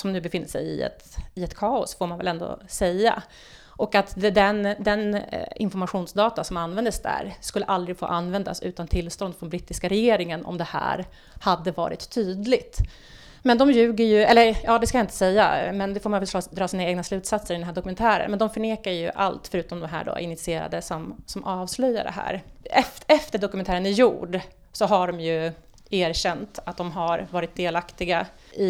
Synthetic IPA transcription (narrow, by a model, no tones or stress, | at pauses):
sɔmnʉ̟ːbɛfɪnːəʂɛ̰jɪ̰ɛ̰t̪ɪɛt̪kʰɑːʊsfoːɾmanvɛlɛnd̪o̰ːsɛjːa̰ | ʔɔkat̪d̪ɛnd̪ɛnɪ̰nfɔɾmaɧuːnsd̪ɑːt̪asɔmanːvɛnd̪əsd̪æ̰ːɾskɵlːəʔald̪ɾɪɡfo̰ːʔanːvɛnd̪a̰sʉ̟ːt̪ant̪ʰɪlːst̪ɔnd̪fɾɔnbɾɪt̪ːɪskaɾɛjeːɾɪŋənʔɔ̰md̪ɛhæ̰ːɾ | had̪ːəvɑ̰ːɾɪ̰t̪ʰːyːd̪lɪɡt̪ | mɛnd̪ɔmjʉ̟ːɡəɾjɵɛlːəɾjɑːd̪ɛskajaɪnt̪əsɛjːa̰mɛnd̪ɛfoːɾmajvɛlːd̪ɾɑːsiːnaeːɡnaslʉ̟ːt̪sat̪səɾɪd̪ɛnɦæːɖɔkɵmɛnt̪ʰæːɾə̰nmɛnd̪ɔmfœɳeːkajɵ̰ʔa̰lt̪fœɾʉ̟ːt̪ɔmd̪ɔmɦæ̰ːɖo̰ːʔɪ̰nɪt̪sɪeːɾa̰d̪əsɔmsɔmʔɑːvslœjːa̰ɖɛ̰ɦæ̰ːɾɛfɛft̪əɖɔkɵmɛnt̪ʰæːɾənɪjuːɖ | sɔɦaɖɔmjɵ | eːɾɕɛnt̪at̪̚d̪ɔmɦaɾvɑːɾɪt̪̚d̪eːlakt̪ɪɡa | ɪ